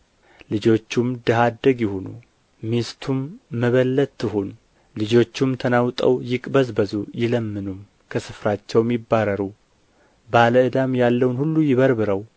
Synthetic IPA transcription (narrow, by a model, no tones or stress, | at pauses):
lɨd͡ʒo̞t͡ʃːumd̪əɦad̪ːəɡjɪhonṵ | mist̪ʰumːəβəlːət̪ːɨɦun | lɨd͡ʒo̞t͡ʃːumt̪ʰənawt̪ʼə̰wjɪkʼbəzbəzujɪləmːɨnum | kʰəsɨfɾat͡ʃːɛwmɪbːaɾəɾu | baləɨd̪amjalːəwnhulːujɪβəɾbɨɾəw